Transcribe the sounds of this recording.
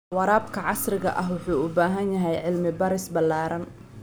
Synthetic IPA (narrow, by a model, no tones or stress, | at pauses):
wɑɾaːbkʰɐʕɑsrɪɣɐ̰ʔɐɦwʊħuːʊbaːɦɐnjɐɦɛjʕɪlmɪbɐɾɪsbɐlːaːɾɐn